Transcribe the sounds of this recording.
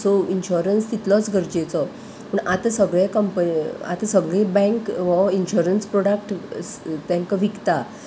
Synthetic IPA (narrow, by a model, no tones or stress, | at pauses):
soinɕuɾənst̪it̪lɔt͡sɡʱəɾd͡ʑet͡sɔ | pəɳʔat̪əsəɡɭẽkəmpəa̰t̪əsəɡɭẽbɛ̃ŋkʋɔinɕuɾənspɾoɽakʈ | t̪ãŋkaʋikt̪a